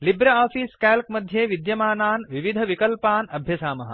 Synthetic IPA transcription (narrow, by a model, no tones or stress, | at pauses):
libɾɐaːfiːskɛːlkmɐd̪ʱjeːʋid̪jɐmaːnaːnʋiʋid̪ʱɐʋikɐlpaːnɐbʱjɐsaːmɐɦɐ̰